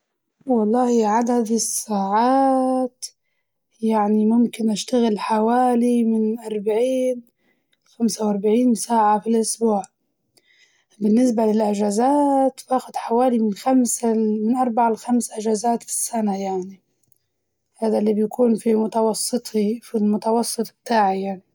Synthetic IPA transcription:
wɑlˤːɑːhiʕad̪ad̪ɪsːaːʕaːt̪ | jaʕnimʊmkɪnʔaʃt̪aɣɪlħawaːlimɪnʔɑɾˤbaʕiːn | xamsawʔɑɾˤbaʕiːnsaːʕafilʔʊsbuːʕ | bɪnːɪs̬balɪlʔɪʒazaːt̪faːxʊd̪ħawaːlimɪnxamsamɪnʔɑɾˤbaʕalxamsʔɪʒaːzaːt̪fi̥sːanajaʕni | haːd̪alːiːbjakuːnfimʊt̪ɑwɑsˤːɨt̪ˤifilmʊt̪ɑwɑsˤːɨt̪ˤbɪt̪aːʕijaʕni

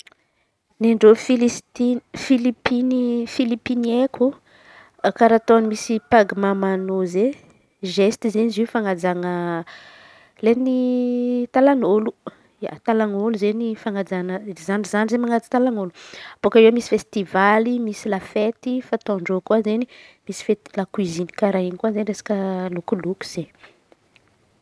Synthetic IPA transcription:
naɳɖ͡ʐofilt̪ifilipinifilipinieku | kaɾat̪onimisipaɡimamanoze | ʒest̪izenizifaŋad͡zaŋə | leni | t̪alanolu | ja̰t̪alaŋoluzenifaŋad͡zanəzanizanizemaŋad͡zi̥t̪alaŋoluab̥okaewmisi̥fest̪ivalimisilafet̪ifat̪oɳɖ͡ʐokuazenimisi̥fet̪i̥lakwizini̥kaɾaɦinkuazeniɾesḁkəlukuluku̥z̥e

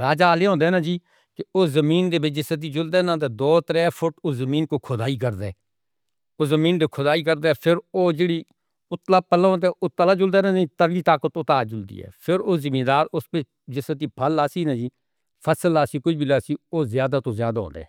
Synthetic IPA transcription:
ɾaːd͡ʒaːleːɦõːnd̪eɛːnãːd͡ʒiː | kɪʊːzəmiːnd̪eːbet͡ʃd͡ʒɪsət̪̬iːd͡ʒʊld̪ɛːnãːt̪̬ed̪ɔːt̪ɾɛːpʰʊʈʊzəmiːnkoːkʰʊd̪aːiːk̬əɾd̪ɛ̰ː | oːzəmĩːnd̪eːkʰʊd̪aːiːk̬əɾd̪eːpʰɪɾoːd͡ʒeːɽiː | ʊt̪laːpəlãõːnd̪eʔʊt̪ːəlaːd͡ʒʊld̪eːnãːit̪əɾɡiːt̪aːkot̪ʊt̪aːd͡ʒʊld̪ḭːɦɛ̰ːpʰɪɾoːzɪmiːd̪aːɾʊspeː | d͡ʒɪsət̪iːpʰəlaːsiːnãːd͡ʒiː | pʰəsəlaːsiːkʊiːbilaːsiːoːzjaːd̪aːt̪oːzjaːd̪aːɦo̰ːnd̪ɛ̰ː

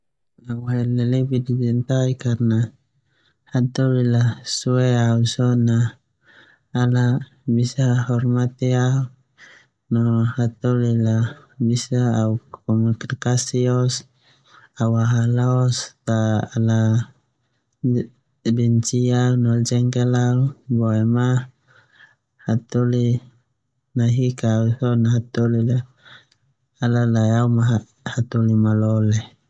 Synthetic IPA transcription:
lawaɦɛlɛlɛbidid͡ʒɛnt̪aikarna | hat̪ɔlilasuɛausɔna | la | bisaɦɔrmat̪ɛau | nɔhat̪ɔlila | bisaaukɔmuiknikasiɔs | awaɦalast̪aːla | bɛnt͡ʃianɔld͡ʒɛŋkalaubɔɛma | hat̪oli | naɦikausɔnaɦat̪olila | lalajaumaa | hat̪ulimalɔlɛ

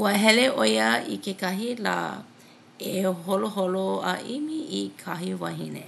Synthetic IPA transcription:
uəɦɛleʔojəḭkekɐɦila̰ | eɦoloɦoloa̰ʔimiikʰaɦiva̰ɦinḛ

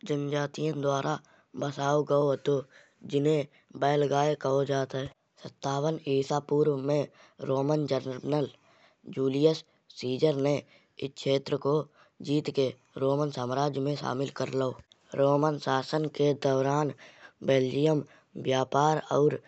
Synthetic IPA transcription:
d͡ʒənd͡ʒaːt̪ijãd̪waːɾʔa | bəsaːoɡəoɦt̪o | d͡ʒɪnẽ | bɛːlɡaːekəɦod͡ʒaːt̪ɦɛː | sət̪ːaːwəniːsapuːɾwmẽ | ɾoːmənd͡ʒəɾnəl | d͡ʒuːlijəsː | iːd͡ʒəɾne | ɪʃʰeːt̪ɾəko | d͡ʒiːt̪ke | ɾoːmənsaːmɾaːd͡ʒjmẽʃa̰ːmɪlkəɾloː | ɾoːmənsaːsənked̪əʊɾaːnbeːld͡ʒɪjəm | ʋjaːpaːɾɔ̰ːɾ

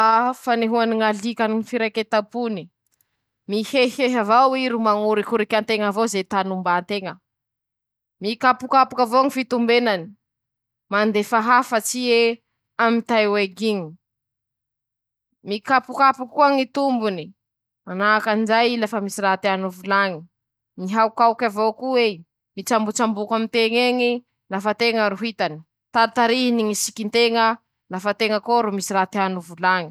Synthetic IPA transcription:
afaneɦuaniŋalikaniŋifiɾajket̪apuni | miheheɦavawiɾumaŋuɾikuɾikʲant̪eŋavozet̪anumbant̪eŋə | mikapukapukavoŋifit̪umbenani̥ | mand̪efaɦafət͡sie | amint̪ajweɡiɲi | mikapukapukuaŋit̪umbuni | manakand͡ʒajilafəmisiɾaɦt̪anuvulaŋi | niɦawkawkavokue | mit͡ʃambut͡ʃambukamint̪eŋeŋi | lafət̪eŋəɾuɦit̪ani̥ | t̪aɾt̪aɾiɦiniŋisi̥kint̪eŋə | lafat̪eŋəkoɾumisiɾat̪eanuvulaŋi̥

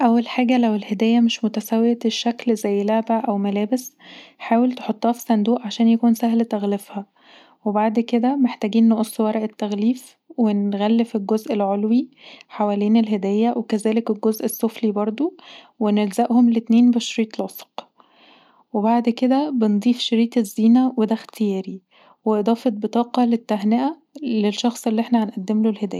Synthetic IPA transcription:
ʔæwːælħaːɡælæwelhed̪æːjːæmeʃmot̪æsæwːeæeʃːæklzæjːlaʕbæʔæwmælæːbesħaːwelt̪e̥ħot̪ˤːɑːfi̥sˤænd̪uːʔʕaʃæːnjækuːnsæhlt̪æɣlefhæ | webaʕd̪ked̪æmeħt̪æːɡiːnːoʔosˤːwæɾˤɑʔet̪ːæɣliːf | wenɣælːefelɡozʔelʕolwiħawæleːnelɦed̪æːjːæwʔekæzæːlekelɡozʔesːoflibɑɾˤd̪ˤo | wenelzæʔhomlet̪neːnbeʃɾiːt̪ˤlɑsˤq | webaʕd̪ked̪æbend̪ˤiːfʃeɾiːt̪ˤezːiːnæwed̪æxt̪ʰejæːɾi | weʔed̪ˤɑːfet̪̚bet̪ˤɑːqɑlet̪ːæɦneʔæ | lelʃːɑxsˤelːiːeħnæhanʔæd̪ːemlolhed̪æːjæ

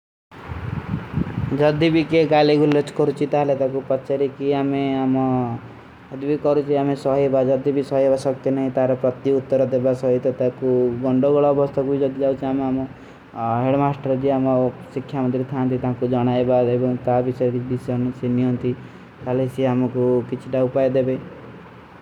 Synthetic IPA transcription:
d͡ʒʌd̪ibikeɡaliɡulet͡ʃkɔɾut͡ʃʰit̪aɦlet̪ãkupɔt͡ʃaɾikiameamɔ | d͡ʒʌd̪ibikɔɾut͡ʃʰiamesɔɦebad͡ʒʌd̪ibʱisɔɦebasʌkt̪enɔɦĩt̪ãɾɔpɾʌt̪iut̪ːɔɾɔd̪ebasʌɦit̪ɔt̪ãkuɡɔɳɖoɡɔɭɔːbʱɔst̪ʰakuid͡ʒɔd̪id͡ʒaut͡ʃʰiamamɔ | ɦeɽmasʈəɾd͡ʒiamɔsikʰjamɔ̃nt̪ɾit̪ʰãnt̪it̪aɦãkud͡ʒɔɽ̃aebaebɔŋt̪abisɔeɾibisnusenijɔɦnt̪i | t̪aɦlesʰiamɔkukit͡ʃʰiʈaupajd̪ebe

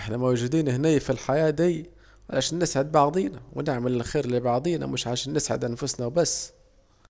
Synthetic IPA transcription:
ħnæmowʒud̪iːnhnæjfilħajæːd̪iː | ʕa̰læʃænːɪsʕəd̪̚bɑʕd̪ˤiːnæwnəʕməlɪlxiːɾlibɑʕd̪ˤiːnæ̰mʊʃʕalæʃænːɪsʕə̰d̪ʔænfʊsnæbæsː

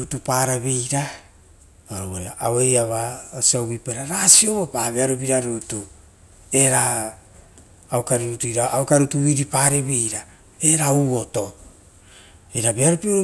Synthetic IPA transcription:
ɾutupaːɾaβe̞jɾa | oɾooaawejaβaosiawβipeɾaɾasio̞βopaβeaɾop̬iɾaɾutu | e̞ɾa | wkaɾiɾutujɾaʔawkaɾutuβiɾipaːɾe̞βe̞jɾa | e̞ɾauo̞to̞ | eɾabeaɾopio

